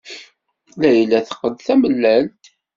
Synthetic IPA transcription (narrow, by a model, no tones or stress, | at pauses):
læjəlːæθə̥qːəd̪θæməlːælt̪